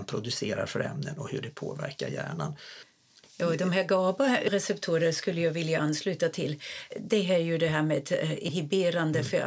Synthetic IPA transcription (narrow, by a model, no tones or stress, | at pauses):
npʰɾʊd̪ɵseːɾaɾfœɾɛ̰mnənɔhɵɖɛpʰoːvæɾkaɾjæ̰ːɳan | jɑːd̪ɔmɦæːɾɡɑːbaɾɛsɛpt̪ʰuːɾəskɵlːəjɑːɡvɪljaʔanːslʉ̟ːt̪at̪ʰɪld̪ɛɦæɾjɵd̪ɛɦæːɾmeːd̪ɪɦɪbeːɾand̪əfœɾ